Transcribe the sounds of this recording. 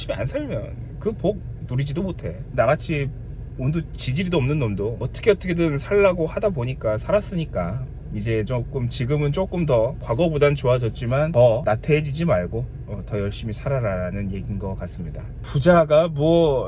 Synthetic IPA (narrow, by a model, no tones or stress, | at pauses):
ɕ͈imia̰nsʰɯɭmjʌ̰n | kɯpok̚ | nuɾid͡ʑidomotʰe̞naɡat͡ɕʰi | undut͡ɕid͡ʑiɾidoʌmnɯnːʌmdoːt͈ʌkʰeʌt͈ʌkʰedɯnsʰaɭːaɡohadaboɲik͈asʰaɾas͈ɯɲik͈a | id͡ʑe̞t͡ɕok͈ɯmt͡ɕiɡɯmɯnt͡ɕ͈ok͈ɯmtʌkwaɡʌbodant͡ɕoad͡ʑʌt̚t͡ɕ͈imantʌnatʰed͡ʑid͡ʑimaɭɡo | ʌtʌjʌɭɕ͈imisʰaɾaɾaɾanɯnje̞ɡinɡʌk͈as͈ɯmɲida̰ | pud͡ʑaɡamwʌ